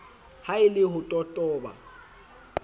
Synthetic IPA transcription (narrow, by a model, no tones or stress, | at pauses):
haɪlɪhʊtʼɔtʼɔːba̰